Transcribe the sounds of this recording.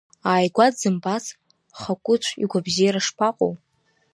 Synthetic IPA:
aːjɡʷadzɨmbat͡sʰ | χakʷʼʊt͡ʃʷʰḭɡʷabzijaɾaʂpʰaqʷʼo̰w

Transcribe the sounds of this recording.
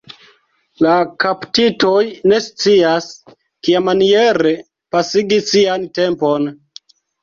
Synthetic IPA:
lakaptito̞jne̞st͡sias | kiamanije̞ɾe̞ | pasiɡisiante̞mpo̞n

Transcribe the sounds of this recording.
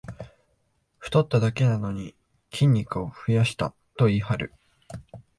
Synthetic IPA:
ɸɯ̟̥t̪o̞t̪ːad̪ake̞nano̞ɲ̟i | kʲʰĩɲ̟ʲːikɯ̟o̞ɸɯ̟jaɕi̥t̪a̰ | t̪o̞iɦaɾɯ̟̰

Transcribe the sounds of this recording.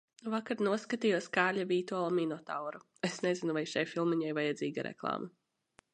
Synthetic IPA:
vakaɾnuɔskat̪ijuɔskaːɾlʎʲavʲiːt̪ualˠaminɔt̪awɾu | esnɛzinuvajʃajfilˠmiɲajvajad̪zʲiːɡaɾʔɛ̰klˠa̰ːma

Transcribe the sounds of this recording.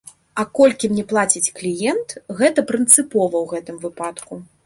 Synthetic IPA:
ɐkɔlʲkʲimnʲɛplˠat͡sʲit͡sʲklʲijɛnt̪ɣɛt̪ɐpɾɨnt̪sɨpɔvɐwɣɛt̪ɨmvɨpat̪ku

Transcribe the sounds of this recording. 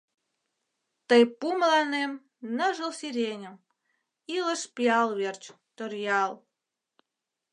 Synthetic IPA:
t̪əjpumlɑnem | nə̆ʒəlsiɾʲenʲə̆m | iləʃpjɑlβert͡ɕ | t̪orjɑlˠ

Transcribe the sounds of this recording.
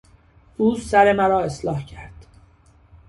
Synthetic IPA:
ʔuːsæɾemæɾɒːe̞slɒːhcʰæɾd̪̥

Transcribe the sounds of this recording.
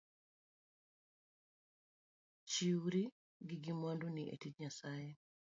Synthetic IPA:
t͡ʃiɾi | ɡiɡimwanduniʔḛtitɲasajɛ

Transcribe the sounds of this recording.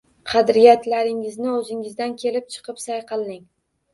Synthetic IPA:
qʰɑd̪ɾijat̪laɾɪŋɪznɪɵzɪŋɪzd̪ankʲʰe̞lɪp̚t͡ʃʰɨ̥qʰɨpsajqʰɨlˠnɪŋ

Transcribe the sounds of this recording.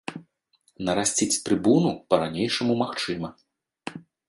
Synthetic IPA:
nɐɾasʲt͡sʲit͡sʲt̪ɾɨbunupɐɾanʲejʂɐmumaxt͡ʂɨmɐ

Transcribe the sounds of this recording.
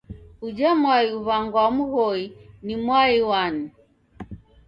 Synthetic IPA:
ud͡ʒamwaiuβaŋɡwamuɣɔinimwaiwani

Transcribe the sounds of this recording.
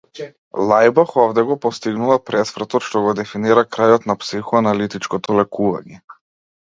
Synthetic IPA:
lˠajbaxɔvd̪ɛɡɔpɔst̪iɡnuvapɾɛsfr̩t̪ɔt̪ʃt̪ɔɡɔd̪ɛfiniɾakɾajɔt̪napsixɔanalit̪it͡ʃkɔt̪ɔlɛkuva̰ɲɛ

